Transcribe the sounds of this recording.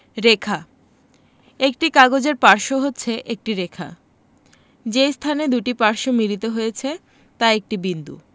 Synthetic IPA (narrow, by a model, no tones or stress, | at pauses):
ɾekʰa | ek̚ʈikaɡod͡ʑeɾpaɾʃoɦotːɕʰeʔek̚ʈiɾekʰa̰ | d͡ʑejst̪ʰaned̪uʈipaɾʃomilit̪oɦojet͡ɕʰe | t̪aek̚ʈibind̪ṵ